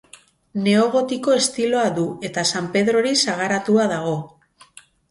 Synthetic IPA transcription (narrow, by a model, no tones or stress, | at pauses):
ne̞o̞ɣ̞o̞t̪iko̞e̞st̪ilo̞aðue̞t̪asampe̞ðɾo̞ɾisaɣ̞aɾat̪uaðaɣ̞o̞